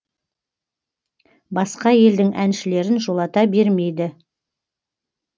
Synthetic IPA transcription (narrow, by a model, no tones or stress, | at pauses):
bɑsqɑje̞ld̪ɪŋʔænʃɪle̞ɾɪnʒo̞lˠɑt̪ɑbe̞ɾme̞jd̪ɪ